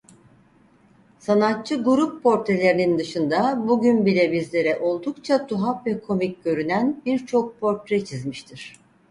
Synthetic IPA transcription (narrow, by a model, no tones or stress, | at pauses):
sanat̪̚t͡ʃʰɯɡuɾupːʰo̞ɾt̪ɾe̞lʲe̞ɾinind̪ɯʃɯnd̪abuɟynbilʲɛbizlʲe̞ɾɛʔo̞lˠd̪ukt͡ʃʰat̪ʰuɦapvɛkʰo̞mic̚ɟø̞ɾynænbiɾt͡ʃʰo̞k̚pʰo̞ɾt̪ɾɛt͡ʃʰizmiʃt̪ʰiɾ̥